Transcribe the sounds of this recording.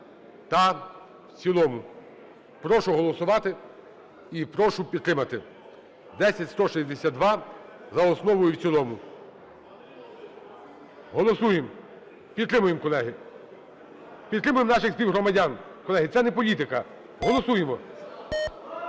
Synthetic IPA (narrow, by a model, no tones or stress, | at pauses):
t̪ɐ | wt͡sʲilˠɔmʊ | pɾɔʃʊɦɔlˠɔsʊʋɑt̪ɪ | ipɾɔʃʊpʲid̪t̪ːɾɪmɐt̪ɪ | d̪ɛsʲɐtʲst̪ɔʃizʲd̪esʲad̪d̪ʋɑ | zɐɔsnɔʋʊjʊwt͡sʲilˠɔmʊ | ɦɔlˠɔsujem | pʲid̪t̪ːɾɪmʊjemkɔlˠɛɦɪ | pʲid̪t̪ːɾɪmʊjemnɑʃɪxspʲiwɦɾɔmɐdʲankɔlˠɛɦɪt̪ɛnɛpɔlʲit̪ɪkɐ | ɦɔlˠɔsujemɔ